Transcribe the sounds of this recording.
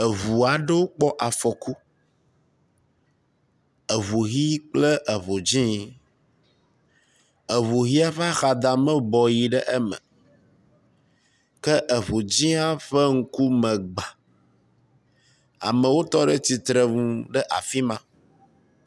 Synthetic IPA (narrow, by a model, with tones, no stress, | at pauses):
ə˨vu˨a˨ɖɛ˦wo˦k͡pɔ˦ʔa˨fɔ˨ku˦ | ə˨βu˨ɣi˦k͡ple˦ʔə˨βo˨d͡ʑĩ˦ | ə˨βu˨ɣi˦a˦ɸɛ˦a˦xa˨d̪a˨mɛ̃˦bɔ˨ji˨ɖɛ˦ʔɛ˦mɛ̰̃˨ | kɛ˦ʔə˨βo˨d͡ʑĩ˦a˦ɸɛ˦ŋ̩˦ku˦mɛ̃˨ɡ͡ba˨ | a̰˨mə̃˨wo˦t̪ɔ˦ɖə˦t̪i˨t̪ɾə˨ŋũ˦˨ɖɛ˦ʔa̰˨fi˦mã˦